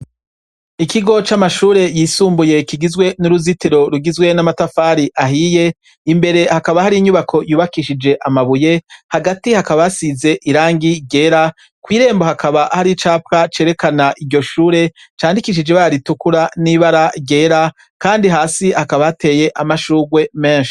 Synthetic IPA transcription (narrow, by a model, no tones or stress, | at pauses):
ikiɡo̞t͡ʃamaʃuːɾe̞jiːsuːmbuje̞kiɡizɡwe̞nuɾuzitiɾo̞ɾuɡizɡwe̞namatafaːɾiʔaɦiːje̞ | imbe̞ɾe̞hakaβahaɾiɲuβakʰo̞juːβakiʃid͡ʒe̞ʔamaβuje̞haɡatihakaβaasize̞ʔiɾaːŋɡiɟe̞ɾa | kwiːɾe̞ːmbo̞hakʰaβahaɾit͡ʃaːp̚kat͡ʃeɾe̞kanaʔiɟo̞ʃuːɾe̞t͡ʃaːndikiʃ̬id͡ʒe̞βaɾaɾitukuɾaniβaɾaɟe̞ːɾa | kaːndiɦaːsihakaβaate̞ːje̞ʔamaʃuːɡwe̞me̞ːnʃi̥